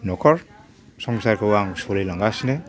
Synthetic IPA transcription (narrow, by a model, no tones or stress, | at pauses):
nɔkʰɔɹ | sɔŋsaɾkʰɔwaŋsɔɾelaŋɡasine